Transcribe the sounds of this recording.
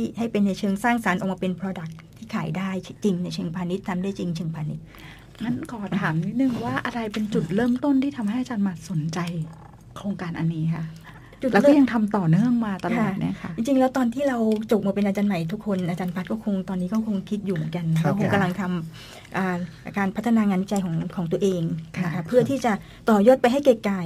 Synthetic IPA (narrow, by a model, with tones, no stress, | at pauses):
t̪ʰiː˥˩ɦa˥˩jpe˧nːa˧jt͡ɕʰɤː˧ŋsaː˥˩ŋsa˩˦nʔɔ˨˩kmaː˧pe˧npʰɾoː˧da˨˩k̚t̪ʰːiː˥˩kʰaː˨˩˦jdaː˥˩jt͡ɕi˧ŋna˧jt͡ɕʰɤː˧ŋpʰaː˧ni˦˥t̪ʰːa˧mdaː˥˩˨jt͡ɕi˧ŋt͡ɕʰɤː˧ŋpʰaː˧ni˦˥t̪̚ | ma˦˥nkʰɔː˨˩t̪ʰaː˩˦mni˦˥t̪̚nɯ˨˩ŋwaː˥˩ʔa˧ɾa˧jpe˧nt͡ɕu˨˩t̪̚ɾɤː˥˩mt̪o˥˩nt̪ʰiː˥˩t̪ʰa˧mha˥˩jʔa˧t͡ɕaː˧nmaː˧so˨˩˦nt͡ɕa˧j | kʰɾoː˧ŋkaː˧nʔa˧nːiː˦˥kʰa˥˩ | lt͡ɕu˨˩t̪ɛ˦˥ɔ˥ja˧ŋt̪ʰa˧mt̪ɔː˨˩nɯ˥˩əŋmaː˧t̪ɔː˧a˥˩ni˦˥ɐ˧kʰa˦˥t͡ɕi˧ŋt͡ɕi˧ŋlɛ˦˥wt̪ɔː˧nt̪ʰiː˥˩ɾa˧wt͡ɕo˨˩p̚maː˧˩pe˧nʔaː˧t͡ɕaː˧nma˨˩jt̪ʰu˦˥kʰːo˧nʔaː˧t͡ɕaː˧npʰa˦˥t̪̚kɔː˥˩kʰo˧ŋt̪ɔː˧nːiː˦˥kɔː˥˩kʰo˧ŋkʰi˦˥t̪̚juː˨˩mɯ˩˦nka˧nɾa˧wkʰo˧ŋka˧mla˧ŋt̪ʰa˧m | ʔaː˨˩a˧˩kaː˧npʰa˦˥t̪ʰːa˧naː˧ŋaː˧nwi˦˥t͡ɕa˧jkʰɔː˩˦ŋkʰɔː˩˦ŋt̪u˧ɐʔeː˧ŋna˧kʰa˦˥pʰːɯ˥˩ɐt̪ʰiː˥˩t͡ɕa˨˩ | t̪ɔː˨˩jɔː˥˩t̪̚pa˧jɦa˥˩jke˨˩kːaː˨˩j